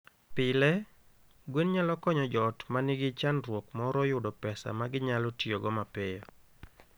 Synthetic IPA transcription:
pɪlɛ | ɡwenɲalɔkɔɲɔd͡ʒɔtmanɪɡɪt͡ʃanɾwokmɔɾɔjʊdɔpɛsa̰maɡɪɲalɔtjoɡɔmapejɔ

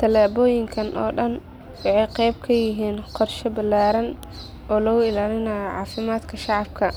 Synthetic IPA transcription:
t̪ʰɐlaːbɔːjɪŋkʰɐnʔɔ̰ːɖɐn | wɑħɑjqɛjb̚kʰɐjɪɦiːnqɔrʃɔbɐlːaːɾɐn | ɔːlɔːɣʊɪlaːlɪnaːjʕɑ̰ːfɪmaːd̪kʰɐʃɑʕɑb̚kʰɐ

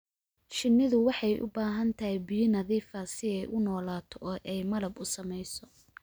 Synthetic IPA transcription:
ʃɪnːɪðʊwɑħɑjʔʊ̰baːɦɐnt̪ʰɐhɛbijɪnɐðiːfɐsɪɛjʔʊnɔːlaːt̪ʰɔʔɔːʔɛjmɐlɐbʊsɐmɛjsɔ

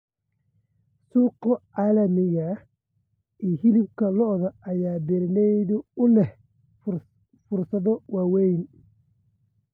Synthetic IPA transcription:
suːqɔʔaːlɐmɪɣɐ | iːɦɪlɪbkʰɐlɔʔðɐɐjaːbɛɾɪnɛjðʊʊlɛh | fʊrsɐðɔwaːwɛjn

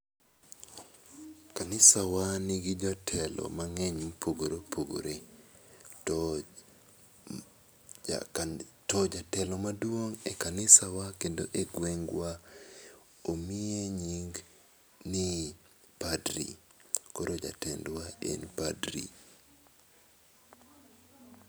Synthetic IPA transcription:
kanɪsawaniɡid͡ʒatʰɛlɔ̰maŋɛɲmpʰoɡoɾopʰoɡo̰ɾe | tɔd͡ʒatɛlɔmadwoŋekanɪsawakendo̰ʔeɡweŋɡwa | omieɲiŋɡ | ni | padɾḭkoɾod͡ʒa̰tɛndwaḛnpadɾḭ

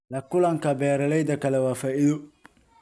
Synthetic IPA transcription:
lɐkʊlɐŋkɐbɛːɾɐlɛjd̪ɐkɐlɛwaːfaːʔɪðo

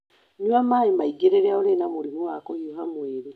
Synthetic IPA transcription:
ɲwamaːjemaiɡeɾeɾeaoɾenamuɾimuakojoɦamweːɾe

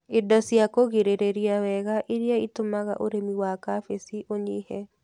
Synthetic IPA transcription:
ɪdasiakoɣeɾeɾeɾjawɛɣaʔɪɾjaitʊmaɣa̰ʔoɾemiwakafesiʔoɲihɛ

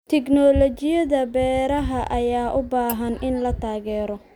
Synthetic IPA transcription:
t̪ʰɛknɔːlɔt͡ʃɪjɐðɐbɛːɾɐɦɐʔɐjaːʔʊbaːɦɐnʔɪnlɐt̪ʰaːɣɛːɾɔ

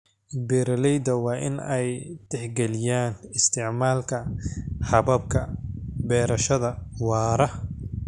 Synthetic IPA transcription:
bɛːɾɐlɛjd̪ɐwɑːʔɪ̰nɛjt̪ɛħɡɛlɪjaːnɪst̪ʰɪʕmaːlkʰɐhɐβɐb̚kʰɐbɛːɾɐʃɐðɐwɑːɾɐ

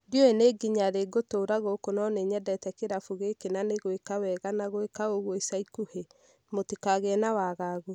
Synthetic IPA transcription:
djoeneɡiɲaɾeɡotoːɾaɣokonɔneɲɛdɛtɛkeɾafuɣekenaneɣoekawɛɣanaɣoekaoɣwɔisaikuhe | motekaɣɛnawaɣaːɣo

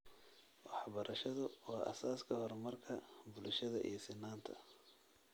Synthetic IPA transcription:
wɑħbɐɾʔɐʃɐðʊwɑːʔɐ̰saːskʰɐhɔrmɐrkʰɐbʊlʃɐðɐʔḭjɔsɪnːaːnt̪ʰɐ̰

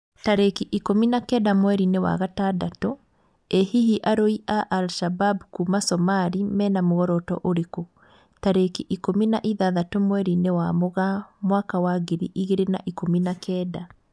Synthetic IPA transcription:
taɾekiʔikominakɛːdamwɛɾinewa̰ɣatadato | ehihiʔaɾoiʔaʔalʃababkumasɔmaɾimɛnamoɣɔɾɔtɔ̰ʔoɾeko | taɾekiʔikominaʔiðaðatomwɛɾinewamoɣamwakawaɣeɾḭʔiɣeɾena̰ʔikominakʰɛːda

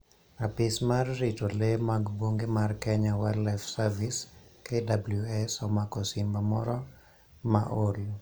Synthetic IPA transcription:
apɪsmarːitolemaɡboŋɡemarkɛɲawɛlɛfsaviskedabluɛsɔmakɔsɪmbamɔɾɔ | maʔol

